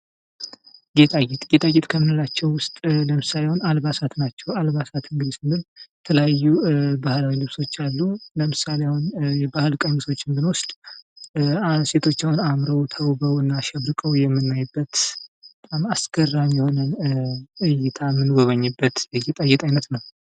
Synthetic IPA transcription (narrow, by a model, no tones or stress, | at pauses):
ɡet̪ʼaɡet̪ʼɡet̪ʼaɡet̪kʰəmɨnɨlat͡ʃːɛwwʊst̪ʼləmɨsalewʊnalβasat̪nat͡ʃːɛwalβasat̪ɨŋɡɨd̪isɨnɨnt̪ʰələjajːubahlawilɨβso̞t͡ʃːalːuləmɨsalewnjɛbahɨlkʼəɲit̪ʰo̞t͡ʃːɪnbɨnwɔst̪ʼ | se̞t̪ʰo̞t͡ʃːawunamɾəwt̪ʰəwbəwɨnːaʃɛβɾɨkʼəwjɛmːɨnːajbːət̪bət̪ʼamasɡ̥ərːanjɛho̞nə | ɨjɪt̪ʰamːɨnɡoβəɲːɨbːət̪jɛɡet̪ʼaɡet̪ʼajnət̪nəw